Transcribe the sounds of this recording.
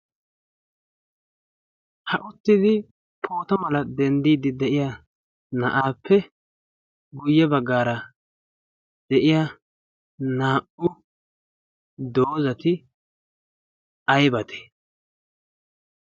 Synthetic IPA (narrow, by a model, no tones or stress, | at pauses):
hɐʔʊt̪ːɪd̪ɪ | pʰo̞ːt̪ɐmɐlɐd̪ɛnd̪iːd̪ɪd̪ɛʔɪja | nɐ̰ʔaːpʰːɛ | ɡʊjːɛbɐɡːaːɾɐ | d̪̥ɛʔɪja | naːʔʊ | d̪oːzɐt̪ɪ | ɐjbɐt̪ʰɛ̥